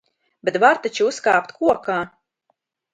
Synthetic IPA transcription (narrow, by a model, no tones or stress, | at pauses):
bet̪vaɾt̪at͡ʃiuskaːpt̪kʰuɔkaː